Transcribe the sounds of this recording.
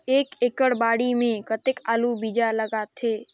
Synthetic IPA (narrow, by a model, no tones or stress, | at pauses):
eːkekəɽbaːɽimẽkət̪ɪkaːlubid͡ʒaləɡaːt̪ʰɦeː